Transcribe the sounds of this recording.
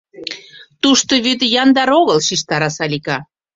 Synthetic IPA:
t̪uʃt̪oβyt̪jɑnd̪ɑɾoɣəlʃiʃt̪ɑɾɑsɑlʲikɑ

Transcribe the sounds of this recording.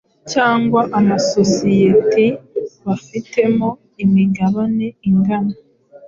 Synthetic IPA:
caːŋɡwaʔamasosijetiβafite̞mo̞ | imiɡaβane̞iŋɡana

